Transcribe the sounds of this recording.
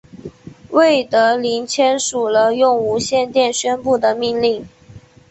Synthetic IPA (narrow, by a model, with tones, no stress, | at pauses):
we˥˩ɪt̪ɤ˧˥li˧˥nt͡ɕʰjɛ˥nʂu˨˩lə˦jʊ˥˩ŋu˧˥ɕjɛ˥˧nt̪jɛ˥˩nɕɥɛ˥npu˥˩d̪ə˩mi˥˧nli˥˩ŋ